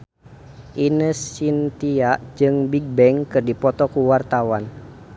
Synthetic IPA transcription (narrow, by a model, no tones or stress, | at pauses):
ʔinəst͡ʃint̪iaʔd͡ʒɨŋbiɡ̚bɛŋkɨrdipɔt̪ɔkuwart̪awan